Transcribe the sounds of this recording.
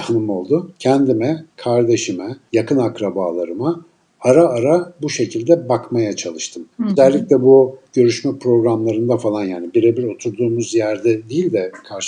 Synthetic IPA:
hnɯmo̞lˠd̪ʊcʰænd̪imɛkʰaɾd̪e̞ʃimɛjakɯnakɾabaːlˠaɾɯmaː | ɾaːɾabuʃe̞cʰilʲd̪ɛbakmajat͡ʃʰalˠɯʃt̪ʰɯmøzɛlʲːiclʲɛbuɟ̥ø̞ɾyʃmɛpɾo̞ɡɾamlˠaɾɯnd̪afalˠanjaːnibiɾebiɾo̞t̪ʰuɾd̪uːmuzjæɾd̪ɛd̪ijilʲd̪ɛkʰaɾʃ

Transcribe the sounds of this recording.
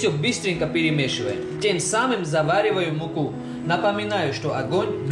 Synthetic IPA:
jobɨst̪ɾʲiŋkɐpʲɪɾʲɪmʲeʃɨvɐjɪmtʲemsamɨmzɐvaɾʲɪvɐjʊmuku | nɐpɐmʲɪnajʊʃt̪oʔɐɡonʲb

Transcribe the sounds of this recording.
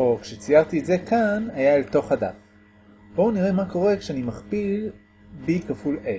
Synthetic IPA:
ʔo̞kʃet͡sijaʁt̪ietze̞kʰanajaelto̞χhada̰t | bo̞niʁe̞mako̞ʁe̞kʃeanimaχpil | bikafulʔe

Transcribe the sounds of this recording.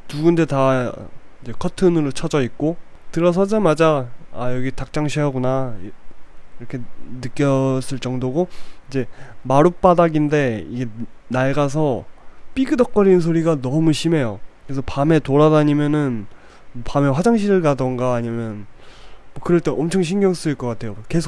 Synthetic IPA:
tuɡunde̞ta | id͡ʑe̞kʰʌtʰɯnɯɾot͡ɕʰʌd͡ʑʌik̚k͈o | tɯɾʌs̬ʰʌd͡ʑamad͡ʑaajʌɡitak̚t͡ɕ͈aŋɕʰiʌɡunaiiɾʌkʰe̞nɯk͈jʌs͈ɯɭt͡ɕ͈ʌŋdoɡoid͡ʑe̞maɾup͈adaɡinde̞iɡe̞naɭɡas̬ʰʌp͈iɡɯdʌk̚k͈ʌɾins̬ʰoɾiɡanʌmuɕʰime̞jokɾes̬ʰʌpame̞toɾadaɲimjʌnɯn | pame̞ɸwad͡ʑaŋɕ̬ʰiɾɯɭɡadʌŋɡaːɲimjʌn | mwʌkɯɾʌɭt͈eʔʌmt͡ɕʰʌŋɕʰiŋɡjʌŋs͈ɯiɭk͈ʌk͈atʰe̞joke̞sʰo

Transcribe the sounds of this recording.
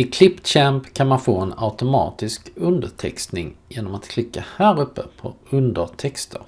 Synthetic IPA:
ɪkʰlɪpːɕɛmpkʰanmanfoːɛna̰ʊt̪ʊmɑ̰ːt̪ɪskɵnd̪əʈʰɛ̰kst̪nɪŋjeːnɔmat̪kʰlɪkːahæːɾɵpːəpʰɔɵnd̪ət̪ʰɛkst̪ʰə̰ɾ

